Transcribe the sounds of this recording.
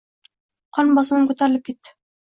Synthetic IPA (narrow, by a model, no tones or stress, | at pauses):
qʰɒnbɒsɪnɪŋkɵt̪ʰaɾɪlɪp̚kʲe̞t̪ːɪ̥